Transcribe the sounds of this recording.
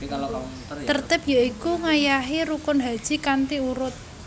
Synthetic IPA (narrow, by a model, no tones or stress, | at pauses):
t̪ərt̪ɪpjaikuŋajaɦiɾukʊnɦad̥ʒ̥i̤kant̪iuɾʊt̪̚